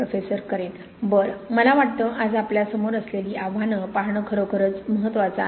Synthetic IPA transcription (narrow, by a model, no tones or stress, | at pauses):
ofesəɾkəɾet̪ | bəɾməlaʋaʈ̚t̪əːʔad͡zapljasəmoɾəsleliːʔaʋanəpaɾɳəkʰəɾokʰəɾət͡sməɦət̪ːʋat͡sa̰